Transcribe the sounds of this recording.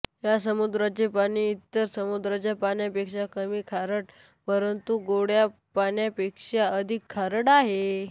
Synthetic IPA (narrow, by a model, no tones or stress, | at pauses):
jasəmud̪ɾat͡ɕepaɽ̃iːt̪ːəɾsəmud̪ɾat͡ɕjapaɳjapekʂakəmiːkʰaɾəʈ | pəɾənt̪uɡoɽjapaɳjapekʂaəd̪ʱikʰːaɾəɽaɦe